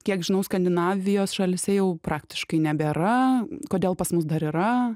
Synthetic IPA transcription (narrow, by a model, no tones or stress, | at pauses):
kʲiɛkʒʲɪnɐʊskɐnʲd̪ʲɪnɑːʋʲɪjoːsʃɐlʲɪsʲɛjɛʊpɾɑːkt̪ʲɪ̥ʃkɐɪnʲɛbʲeɾɐkoːd̪ʲeːlˠpɐsmʊs̬d̪ɐɾiːɾɐ